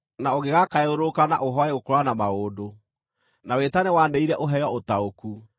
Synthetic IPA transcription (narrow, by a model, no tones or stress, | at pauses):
naoɣeɣakaɛoɾokana̰ʔoɦɔɛokoɾwanamaɣoːdo | nawetanɛwaneiɾɛʔoɦɛjɔotaoku